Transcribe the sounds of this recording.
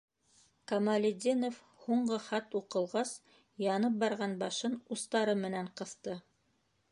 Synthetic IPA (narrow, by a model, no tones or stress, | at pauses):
kɐmalʲɪd̪ʲinof | huɴɢɤχæt̪uqɤ̆lˠʁɑs | jɑnɤp̚bɑɾʁɑnbɑʃɤnust̪ɑɾɤmɘ̆næɴqɤ̆θt̪ɤ